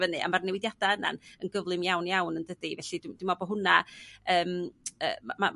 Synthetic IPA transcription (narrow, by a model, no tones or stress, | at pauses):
vənɨa̰marnɛwɪdjadaəna̰nənɡəvlˠɨmjawnjawnəndədivɛɬidɪmd̥wɪmɔbɔɦʊnaəːmə̰ːmama